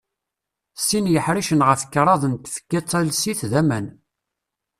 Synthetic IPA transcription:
sinjəħɾiʃənʁəfkːɾˤɑðˤənt̪fə̥kːæt͡sˤːælsiθðæmæn

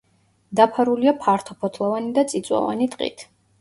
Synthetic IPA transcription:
d̪apʰaɾuliapʰaɾt̪ʰɔpʰɔt̪ʰlˠɔvanid̪at̪sʼit̪sʼwa̰va̰nit̪ʼqʼḭt̪ʰ

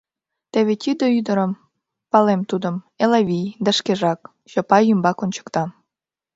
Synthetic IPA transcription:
t̪eβet̪ʲyd̪ə̆yd̪əɾəm | pɑlemt̪ud̪ə̆m | elɑβʲijd̪əʃkeʒɑk | ɕopɑjymbɑkonʲt͡ɕə̥kt̪ɑ

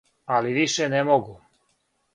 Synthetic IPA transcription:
aliʋiʃenemoɡu

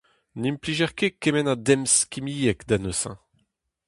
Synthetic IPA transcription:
nimpliʒɛʁkekemɛnad̪ɛmskʲimijɛkd̪anosɛ̰̃

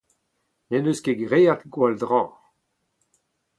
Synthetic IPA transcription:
nɛnøskeɡʁejat̪ɡwald̪ʁɑ̃ː

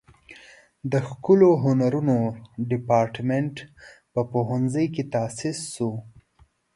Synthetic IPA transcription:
d̪əxkʊloɦʊnaɾunoɖɪpɑɾʈmeɳʈpəpoɦanzəjket̪asɪsːu

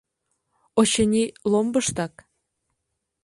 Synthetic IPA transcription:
oɕĕnʲilˠombɤʃt̪ɑk

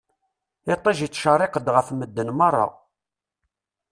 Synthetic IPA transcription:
ɪt̪ˤːɑʒit͡sːʃərˤɪqəd̪ʁəfməd̪ːənmɑrˤːɑ̰

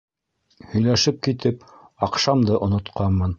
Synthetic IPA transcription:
hɵ̆jlæʃɘp̚kit̪ɘp̚ | ɑqʃɑmd̪ɤʔŏnŏt̪qʰɑnmːɤn

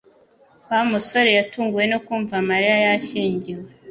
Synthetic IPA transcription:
wamuso̞ɾe̞jatuːŋɡuje̞nokuːɱvamaɾijajaʃiːɲɟiwe

